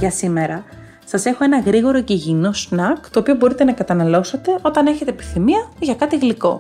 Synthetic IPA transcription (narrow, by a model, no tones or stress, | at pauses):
ʝɐsime̞ɾɐ | sɐse̞xo̞e̞nɐɣɾiɣo̞ɾo̞ceʝino̞snɐkt̪oːpiobo̞ɾit̪e̞nɐkɐt̪ɐnɐlo̞sɐt̪e̞o̞t̪ɐne̞çe̞t̪eːpi̥θimiɐʝɐkɐt̪iɣliko̞̰